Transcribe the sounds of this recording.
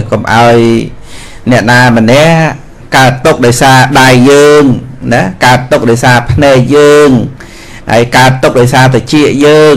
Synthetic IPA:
komʔa̰ɔj | nɛ̆əʔnaːmə̆nɛ̆əʔ | kaət̪ːuk̚ɗaɔjsaːɗajːəːŋnakaət̪ːuk̚ɗaɔjsaːpʰnɛɛk̚jəːŋ | ʔa̰əjkaət̪ːuk̚ɗaɔjsaːt̪̬aɛt͡ɕiəʔjəː

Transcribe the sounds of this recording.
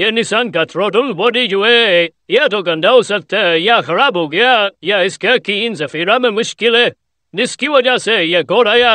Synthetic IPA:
jenɪsaːnkat̪ʰɾoːd̪ʊlboːdid͡ʒʊe | jet̪oɡɐ̃nd̪aʊsɐt̪ʰɛjaxɐɾaːbɦoːɡɐjajaɪskekiɪnzɐfiːɾamẽmʊʃkɪlɛ | nɪskiʋɐd͡ʒasejekoːɾaːja

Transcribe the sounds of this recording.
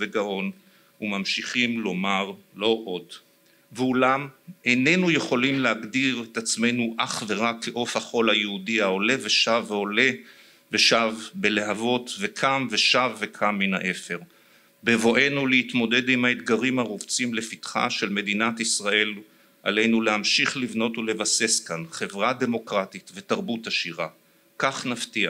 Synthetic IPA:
veɡaʔo̞n | umamʃiχimlo̞maʁlo̞ʔo̞d | veulamene̞nuje̞χo̞limleaɡdiʁet̪at͡sme̞nuʔaχveʁakːeʔo̞fhaχo̞lhajeudiao̞le̞veʃavːeo̞le̞ | veʃavbe̞lehavo̞tve̞kʰamve̞ʃavːe̞kʰamːina̰ʔe̞fe̞ʁ | bevo̞ʔe̞nuleitmo̞de̞dimhaet̪ɡaʁimhaʁuvt͡simle̞fitχa̰ʃe̞lme̞dinatisʁae̞l | ʔa̰le̞jnulehamʃiχlivno̞tule̞vase̞skanχe̞vʁade̞mo̞kʁatitve̞taʁbutaʃiʁa̰ | kaχnaftia

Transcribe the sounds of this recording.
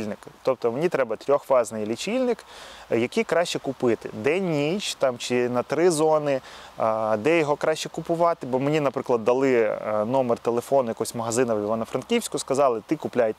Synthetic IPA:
lʲnɪkt̪ɔp̚t̪ɔmenʲit̪ɾɛbɐt̪ʲɾʲɔxʋɑznɪjlʲit͡ʃʲilʲnɪkjɐkʲijkɾɑʃʲt͡ʃɛkʊpɪt̪ɪ̰d̪ɛnʲːit͡ʃt̪ɑmt͡ʃɪnɐt̪ɾɪzɔnɪ | d̪ɛjɔɦɔkɾɑʃʲt͡ʃɛkʊpʊʋɑt̪ɪbɔmenʲinɐpɾɪklˠɐd̪ːɐlˠɪnɔmert̪elˠefɔnʊjɐkɔɔsʲmɐɦɐzɪnɐʋʲiʋanɐfɾɐnkʲiwsʲkʊskɐzɑlˠɪt̪ɪkʊplʲajt̪

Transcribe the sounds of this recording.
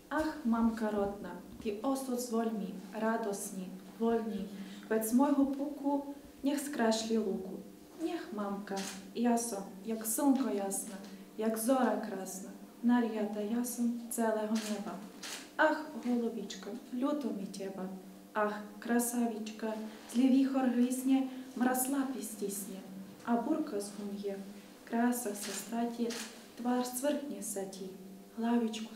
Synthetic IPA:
ɑxmɑmkɐɾɔd̪nɐt̪iɔsɔzʋɔlʲmʲiɾɑd̪ɔsnʲi | ʋɔlʲnʲibɛsmɔjɦɔpukʊ | nʲixskɾaʃlʲilˠukʊ | nʲɛxmamkɐjasɔmjaksunkɔjasnɐ | jakzɔɾɐkɾɑsnɐ | naɾʲjat̪ɐjasɔmt̪sɛlˠɛɦɔnɛbɐaxɦɔlˠɔʋʲit͡ʃkɐlʲut̪ɔmitʲɛbɐ | axkɾɐsaʋʲit͡ʃkɐzʲlʲiʋʲixɔrɦlʲisʲnʲɛmɾaslˠapisʲtʲisʲnʲɛ | ɐburkɐzɦumjɛ | kɾasɐsɐst̪atʲi | t̪ʋarsʋɪrxnʲɛsatʲi | ɦlˠaʋʲit͡ʃkʊ

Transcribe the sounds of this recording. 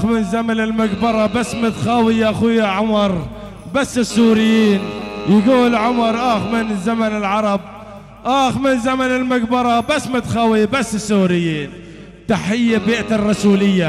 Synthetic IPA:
xmɪnzamanɪlmʊɡbɑɾˤɑbasːmɪt̪xawɪjaʔaxujaʕʊmɑɾˤ | basːɪsːuːɾɪjːiːnjɪɡuːlʕʊmɑɾˤʔaːxmɪnzamanɪlʕɑɾˤɑb̚ | ʔaːxmɪnzamanɪlmʊɡbɑɾˤɑbasːmɪt̪xawibasːɪsːuːɾɪjːiːn | t̪aħɪjːabiːʔt̪ɪrˤːɑsuːlɪjːa

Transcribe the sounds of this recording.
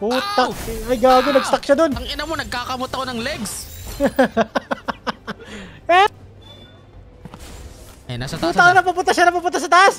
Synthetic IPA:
put̪ɐʔɐjɡaːɡonɐɡ̚st̪ɐk̚ʃad̪o̞nɐŋɪnɐmonɐɡ̚kaːkɐmot̪ɐkonɐŋlɛɡs | ɛ | ɐ̰jnasɐp̪uːaʔonɐpɐpʊnt̪ɐʃanɐpɐpʊnt̪ːas̬ɐt̪ɐʔas

